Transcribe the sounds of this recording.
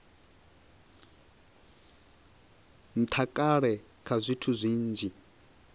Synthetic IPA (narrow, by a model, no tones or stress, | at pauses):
n̩t̪ʰakʼaɺɛ | kʰazʷitʰuzʷiːnd͡ʒʱi